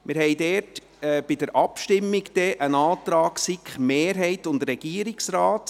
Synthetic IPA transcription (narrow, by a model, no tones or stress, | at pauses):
mɪɾhɛjdɛːrtː | b̥ɪdəɾʔɑpʃtɪmːɪɡd̥ɛʔənɑːt̪ɾɑːksɪkχmeːɾɦɛɪtʊndrɛɡ̥iəɾɪksraːt